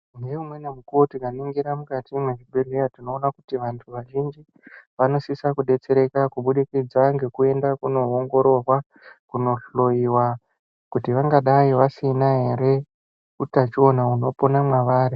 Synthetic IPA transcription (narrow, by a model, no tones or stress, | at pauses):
ŋɡeumwe̞nemukuotikaniŋɡiɾamukatimweʐibʱerejatino̞ːnakutiʋantʰuʋaʒind͡ʒi | ʋano̞sisakuɗe̞t͡se̞ɾe̞kakuɓuɗikid͡zaŋɡe̞kue̞ndakuno̞oŋɡo̞ɾo̞rwa | kuno̞ɬo̞iwa | kutiʋaŋɡaɗaiʋasinaɦe̞ɾe̞ | kutat͡ʃio̞nauno̞po̞namwaʋaːɾe